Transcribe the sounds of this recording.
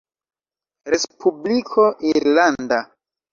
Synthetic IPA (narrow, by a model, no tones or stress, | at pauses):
ɾespʰublikʰo̞ʔiɾlanda